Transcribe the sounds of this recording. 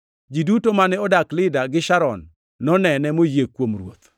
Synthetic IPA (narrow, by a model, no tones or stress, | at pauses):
d͡ʒidutomanɛɔdaklɪdaɡɪʃaɾɔnː | ɔnɛnɛmojekwomrwot̪